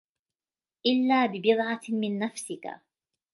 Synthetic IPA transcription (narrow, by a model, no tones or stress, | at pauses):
ʔɪlːaːbɪbɪd̪ʕɑmɪnːafsɪka̰